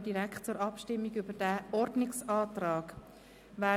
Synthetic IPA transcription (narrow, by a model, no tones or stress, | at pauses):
d̥iɾæktt͡suːɾɑpʃtɪmːiɡʏbəɾd̥æʔɔɾdnɪksɑːtrɑːɡ | ʋæː